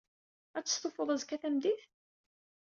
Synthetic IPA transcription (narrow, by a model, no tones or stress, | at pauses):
æt͡sːə̥st̪ˤofəðˤæzkːæθæmðiθ